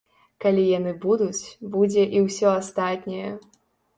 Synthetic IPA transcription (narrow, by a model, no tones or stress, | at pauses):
kalʲijanɨbud̪ut͡sʲbud͡zʲɛʔiwsʲɔast̪at̪ʲnʲɐjɛ